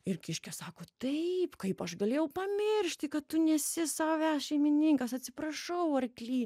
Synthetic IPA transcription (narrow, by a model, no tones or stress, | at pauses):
ɪrkʲɪʃʲkʲɛsɑːkoːt̪ɐɪpkɐɪpɐʃɡɐlʲeːjɛʊpɐmʲɪrʲʃʲt̪ʲɪkɐtt̪ʊnʲɛsʲɪsɑːoʋʲæːsʃʲɛɪmʲɪnʲiŋkɐsɐt̪ʲsʲɪpɾɐʃɐʊɐrkʲlʲiː